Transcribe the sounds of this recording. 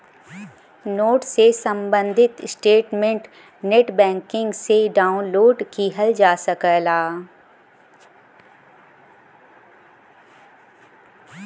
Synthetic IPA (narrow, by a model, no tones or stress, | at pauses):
noːʈsesɐ̃mbə̃nd̪ʱɪt̪sʈeːʈmẽɳʈ | neːʈbɛ̃ːŋkɪ̃ŋɡseɖaːunloːɖkiɦəld͡ʒaːsəkəlaː